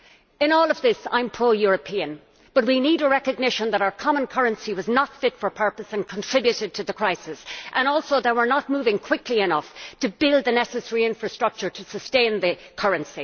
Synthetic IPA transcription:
ɪ̃nɔːlˠʌvðɪsã̰ɪ̃mpʰɹ̥oʊjʊɹəpʰĩɨ̃n | b̥ʌt̚winiɾəɹɛkɨɡ̚nɪʃə̃nðəɾaʊə˞kʰɑmə̃nkʰʌɹə̃nsiwʌznətfɪtfə˞pʰɜ˞pəsə̃nkʰə̃ntʰɹ̥ɪbjʉɾɪd̚tʰəðəkʰɹ̥aɪsɪsʔə̃nɔlˠsoʊðeɪwə˞nət̚muvɪ̃ŋkʰw̥ɪkʰliɪnʌftʰəbɪlˠd̪̚ðɨnɛsɨsɛɹiɪ̃ɱfɹɨstɹ̥ʌk̚t͡ʃə˞ɾʰəsəstẽɪ̃nðɨkʰʌɹɨ̃nsi

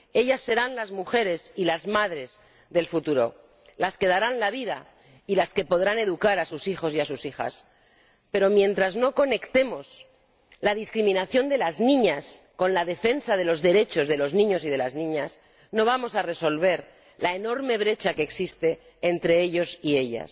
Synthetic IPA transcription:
e̞ʎasːe̞ɾanlazmuxe̞ɾe̞silazmaðɾe̞z | ðe̞lfut̪uɾo̞̰ | laske̞ðaɾanlaβ̞iða | ilaske̞po̞ðɾane̞ðukaɾasusixo̞siasusixa̰s | pe̞ɾo̞mjẽ̞nt̪ɾazno̞ko̞ne̞kt̪e̞mo̞s | lað̞iskɾimĩnaθjo̞nd̪e̞laznĩɲasko̞nlaðe̞fe̞nsað̞e̞lo̞zðe̞ɾe̞t͡ʃo̞zðe̞lo̞znĩɲo̞sið̞e̞laznĩɲas | no̞β̞amo̞sare̞so̞lβe̞ɾ | lae̞no̞ɾme̞β̞ɾe̞t͡ʃakeːksist̪e̞ː | nt̪ɾe̞eʎo̞sie̞ʎa̰s

